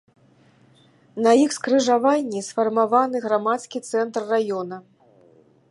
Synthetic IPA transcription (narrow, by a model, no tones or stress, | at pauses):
nɐixskɾɨʐavanʲːisfɐrmavanɨɣɾamat̪skʲit̪sɛnt̪rːajɔnɐ